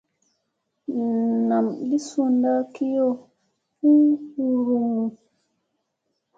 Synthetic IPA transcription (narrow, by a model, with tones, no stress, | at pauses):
na˨mli˦su˨nda˦ki˦jɔ˦ | hu˦hu˦ɾu˨mu˨